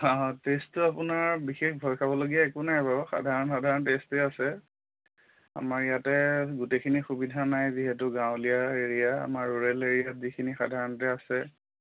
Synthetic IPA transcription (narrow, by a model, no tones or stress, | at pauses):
ɔ̃testʊapʊnaɹbixexbʱɔjkʰabɔloɡijaɛkʊnajbaɹɔxa̰dʱaɹɔnxadʱaɹɔntestɛasɛ | a̰maɹijatɛɡutekʰinixubidʱanajziɦetʊɡãw̃lijaeɹijaa̰maɹːuɹeleɹijatzikʰinixa̰dʱaɹɔntɛasɛ